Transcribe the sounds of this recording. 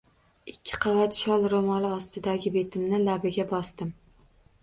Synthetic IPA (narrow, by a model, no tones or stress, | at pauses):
ɪkʲʰːɪ̥qʰɑvat̪ʃɒlˠɾomɒlˠɪɒst̪ɪd̪aɡʲɪbe̞t̪ʰɪmnɪlabɪɡʲabɒst̪ɪm